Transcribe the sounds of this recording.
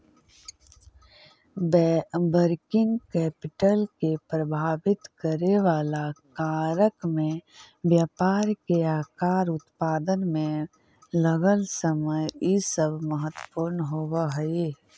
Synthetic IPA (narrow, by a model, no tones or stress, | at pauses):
bɛbəɾkɪ̃ŋɡkɛːpɪʈəlkepɾəbʱaːʋɪt̪kəɾeʋaːlakaːɾəkmẽ | ʋjaːpaːɾkeaːkaːɾʊt̪paːd̪ənmẽ | ləɡəlsəməjisəbʱməɦət̪wə̥puːɾnɦoːwaɦəe